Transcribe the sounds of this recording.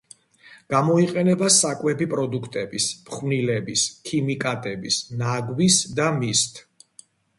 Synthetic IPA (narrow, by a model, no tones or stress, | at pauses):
ɡ̥amɔiqʼɛnɛbasakʼwɛbipʼɾɔd̪ukʰt̪ʼɛbispχwnilɛbiskʰimikʼat̪ʼɛbisnaɡwisd̪amist̪ʰ